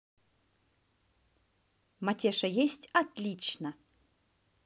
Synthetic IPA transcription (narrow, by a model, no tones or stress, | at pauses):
mɐtʲeʂɐjesʲtʲɐt̪lʲit͡ɕnə